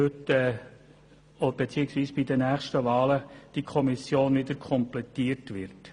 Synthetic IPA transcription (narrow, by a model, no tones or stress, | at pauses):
øtɛ | ob̥et͡siːəksʋiːsb̥idənæːχʃtəʋɑːləd̥ikʰɔmisjoːnʋɪd̪əɾkʰɔmplɛtiːəɾtʋɪɾt